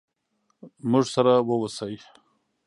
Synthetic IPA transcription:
mʊʐsaɾawəwasaj

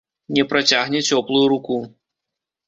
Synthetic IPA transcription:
nʲɛpɾat͡sʲaɣnʲɛt͡sʲɔplˠujuɾuku

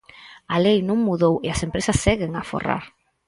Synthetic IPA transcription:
alejnũŋmuðoweasempɾesɐsːɛɣɪŋafo̰ra̰ɾ

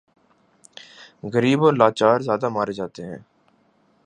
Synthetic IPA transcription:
ɣəɾiːboːɾlaːt͡ʃaːɾzjaːd̪amaːɾed͡ʒaːt̪eɦɛ̰̃ː

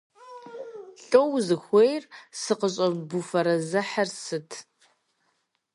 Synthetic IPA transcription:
ɬʼowzɨxʷejrsɨqəɕʼɐbufɐɾɐzɐħɐrsɨtʰ

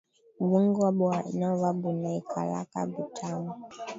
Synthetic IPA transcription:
wuŋɡwabwanawaɓunaikʰa̰la̰ka̰ɡutʰamu

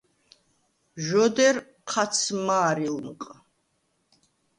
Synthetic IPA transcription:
ʒɔd̪ɛɾ | qʰat̪sʰmaːɾilmqʼ

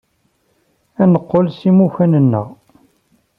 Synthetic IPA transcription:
ænəqːolsimuçænənːə̰ʁ

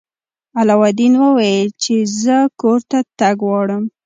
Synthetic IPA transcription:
alɑwad̪inwəwajəlt͡ʃezəkoɾt̪at̪aɡwɑɽəm

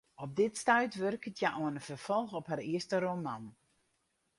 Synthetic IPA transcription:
ɔp̚dɪtstœɥtʋørkətʰjaʔoənəfərfɔlˠxɔphariəstəɾoman

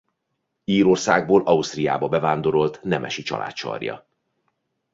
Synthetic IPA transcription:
iːɾo̞rsaːɡ̚boːlʔɒust̪rijaːbɒbɛvaːnd̪o̞ɾo̞lt̪nɛmʔɛ̰ʃit͡ʃɒ̰lʔa̰ːt̪ʃɒ̰rjɒ̰

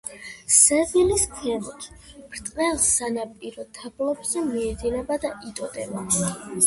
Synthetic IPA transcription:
sɛviliskʰɛvɔt̪ʰb̥ɾt̪ʼqʼɛlˠsanapʼiɾɔt̪ʰablˠɔbzɛmiɛd̪inɛbad̪aʔit̪ʼɔd̪ʼɛ̰ba

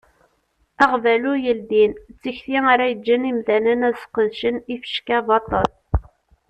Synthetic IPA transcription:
æʁvælujəld̪int͡sːiçθiaɾæjəd͡ʒːənimθænənæsqəðʃənifə̥ʃkævɑt̪ˤːɑl

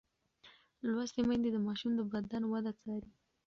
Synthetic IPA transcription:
lwast̪emajnd̪ed̪əmɑʃumd̪əbad̪anwad̪at͡sɑɾi

